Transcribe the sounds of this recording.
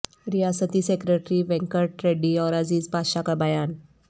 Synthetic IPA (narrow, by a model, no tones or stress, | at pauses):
ɾijasət̪iːsekɾeʈɾiːʋɛ̃ŋkəɾʈɾeɖiɔɾad͡ziːt͡spaɕakəbajan